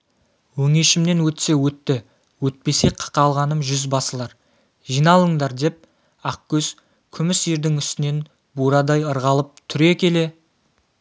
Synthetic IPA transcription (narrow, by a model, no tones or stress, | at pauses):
wɵŋe̞ʃɪmne̞nwɵt̪se̞wɵt̪ːɪ | wɵt̪̚pe̞seqʰə̥qɑlˠʁɑnəmʒʏzbɑsəlˠɑɾ | ʒijnɑlˠəɴd̪ɑɾd̪e̞p̚ | ɑq̚kʲʰɵz̥ | kʲʰʏmɪseɾd̪ɪŋʏst̪ɪne̞n | buɾɑd̪ɑjəɾʁɑlˠəp̚t̪ʰʏɾe̞kʲe̞le̞